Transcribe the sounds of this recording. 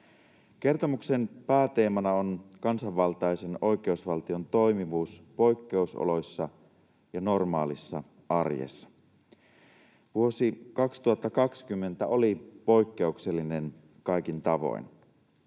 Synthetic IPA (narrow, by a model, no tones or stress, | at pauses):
k̟e̞rt̪o̞mukse̞npæːt̪e̞ːmɑnɑo̞nkɑnsɑʋːɑlt̪ɑjse̞no̞jk̟eusʋɑlt̪io̞nt̪o̞jmiʋuːspo̞jkːe̞uso̰lo̞jsːɑ | jɑno̞rmɑ̰ːlisːɑ | ʔɑrjḛsːɑ̥ | ʋuo̞sikɑkst̪uhɑt̪ːɑkɑkskymːe̞nt̪æolipo̞jkːe̞ukse̞lːinen | kɑjk̟int̪ɑʋo̰ḭn